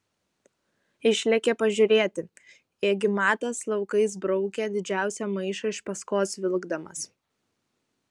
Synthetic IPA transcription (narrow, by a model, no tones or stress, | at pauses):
ɪʃʲlʲɛkʲepɐʒʲʊɾʲeːt̪ʲɪ | eːɡʲɪmɑːt̪ɐslˠɒʊkɐɪs̬bɾɔʊkʲed̪ʲɪd͡ʒʲæˑʊsʲɛmɐɪʃɐɪʃpɐskoːsʋʲɪlˠɡd̪ɐmɐ̰s